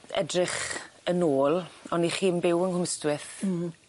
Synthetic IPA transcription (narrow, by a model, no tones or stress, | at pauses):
ɛ̰drɪχənoːlˠɔniχiːnbɪwənhʊməstwɪθ